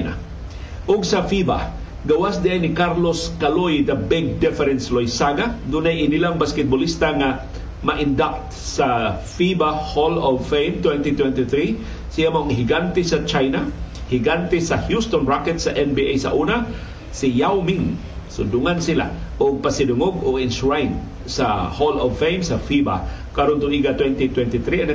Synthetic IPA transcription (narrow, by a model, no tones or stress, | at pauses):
na̰ | ʔʊɡ̚sɐfiba̰ | ɡɐwasd̪iʔajnɪkaɾloskalojd̪ɐbɛɡ̚d̪ɛfɛɾɛnslojsaɡad̪unajɪnilaŋbaskɛt̪̚bʊlist̪aŋa | mɐʔɪnd̪ak̚t̪ | sa | fibaholɔvfejnt̪wɛnt̪it̪wɛnt̪iθɾi | siamoŋɦɪɡant̪ɛsɐt͡ʃajna | hiɡant̪ɛsahjust̪onɹakɛt̪saʔɛnbiʔejsa̰ʔuna | sɪjawmiŋ | sʊd̪ʊŋansɪla̰ʔoɡ̚pasɪdʊŋoɡʊɡɪnsɹajn | saholɔvfejmsafiba̰ | kaɾont̪ʊniɡat̪wɛnt̪it̪wɛnt̪ɪt̪ɾian